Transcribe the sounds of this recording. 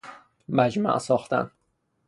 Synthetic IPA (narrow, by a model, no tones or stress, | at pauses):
mæd͡ʒmæ̰ʔsɒːxt̪æ̰n